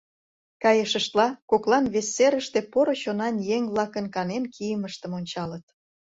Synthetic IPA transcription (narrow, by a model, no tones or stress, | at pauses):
kɑjəʃəʃt̪lɑkoklɑnβesːeɾəʃt̪epoɾoɕonɑnjeŋβlˠɑkənkɑnenkʰijəməʃt̪əmonʲt͡ɕɑlət̪